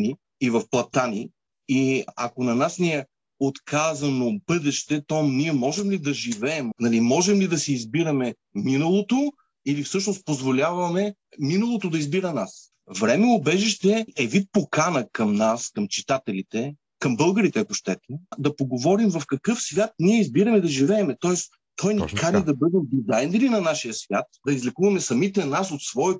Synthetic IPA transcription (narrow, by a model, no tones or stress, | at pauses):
niː | vɐfplˠɐt̪ani | iɐ̰konɐnasniɛ | ot̪kʰazɐnobɤd̪ɛʃt̪ɛt̪ɔniɛmɔʒɛmlid̪ɐʒivɛːmnɐlimɔʒɛmlid̪ɐsɛizbiɾɐmɛ | minɐlˠot̪o | ilifsɤʃnost̪̚pozvolʲavɐmɛ | minɐlˠot̪od̪ɐizbiɾɐnas | vɾɛmɛʊbɛʒiʃt̪ɛɛvit̪̚pokanəkɐmnaskɐmt͡ʃi̥t̪at̪ɛlit̪ɛ | kɐmbɤlˠɡəɾit̪ɛɐkʊʃt̪ɛt̪ɛd̪ɐpoɡovɔɾimvɐfkɐkɤfsvʲjat̪̚niɛizbiɾɐmɛd̪ɐʒivɛːmɛt̪ɔɛs | t̪ʰɔjnɛk̪kad̪id̪ɐbɤd̪ɛmd̪izajnɛɾinɐnaʃijəsvʲjat̪̚d̪ɐizlɛkuvɐmɛsɐmit̪ɛnasot̪svɔɛ